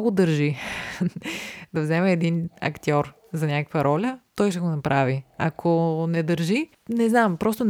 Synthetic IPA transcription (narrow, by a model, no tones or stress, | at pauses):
ɡod̪əɾʒi | d̪ɐvzɛmɛːd̪inɐ̰kt̪ʲiɔɾ | zɐnʲakəkvəɾɔlʲət̪ɔjʃ̬ɛɡonɐpɾʔaviɐkʰonɛd̪əɾʒi | nɛznampɾɔst̪on